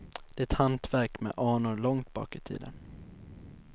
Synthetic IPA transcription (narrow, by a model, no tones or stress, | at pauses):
d̪̥ɛɛt̪hant̪væɾkmɛ̰ʔɑːɳʊɾɭɔŋt̪̚bɑ̰ːkɪt̪ʰḭːd̪ən